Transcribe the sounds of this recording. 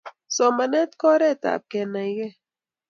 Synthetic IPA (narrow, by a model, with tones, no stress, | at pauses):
sɔ˨ma˨nɛ˦t̪kɔ˦ɾɛ˦˨ta̰˨p̚kɛ˨na˨i˨˦ɡɛ˦˨